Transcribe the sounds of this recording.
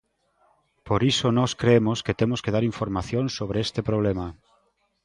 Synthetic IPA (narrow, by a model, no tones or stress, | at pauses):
poɾisonɔskɾeemosket̪emoskeð̞aɾiɱfoɾmaθjoŋsoβɾeest̪epɾoβ̞lema